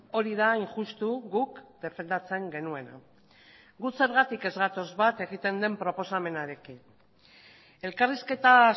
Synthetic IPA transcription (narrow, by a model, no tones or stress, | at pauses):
o̞ɾiðaiŋʝust̪uɣukd̪e̞fe̞nd̪at͡se̞ŋɡe̞nue̞na̰ | ɡuse̞ɾɣat̪ike̞zɣat̪o̞zβat̪e̞ɣ̞it̪e̞nd̪e̞mpɾo̞po̞same̞naɾe̞kin | e̞lkariske̞t̪a